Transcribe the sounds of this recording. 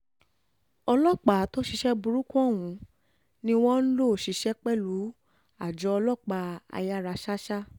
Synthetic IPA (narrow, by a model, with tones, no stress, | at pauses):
ɔ˧lɔ˦˨k͡pa˨˦to˦ʃi˧ʃɛ˦bu˧ɾu˦kũ˦˨w̃ũ˨˦ | nĩ˧w̃ɔ̃˦n̩˦lo˦˨ʃi˧˦ʃɛ˦k͡pɛ˦lu˨˦ | a˨d͡ʒɔ˧˦ɔ˧lɔ˦˨k͡pa˧a̰˧ja˦ɾa˧ʃa˦ʃa˦